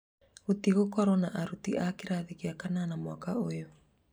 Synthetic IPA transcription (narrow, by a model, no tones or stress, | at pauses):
otiɣokɔɾɔnaʔaɾutiʔakeɾaːðiɣiakananamwakaojo